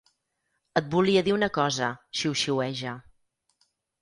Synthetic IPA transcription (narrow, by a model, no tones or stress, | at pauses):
ət̪̚buliəðiunəkɔzəʃiwʃiwɛʒə